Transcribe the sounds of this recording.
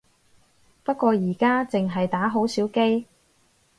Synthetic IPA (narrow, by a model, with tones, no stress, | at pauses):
pɐ˥t̚kʷɔː˧jiː˨˩kaː˥t͡sɪ˨ŋɦɐ˨jt̪aː˨˥ɦo˨˥wsiː˨˥wke˥j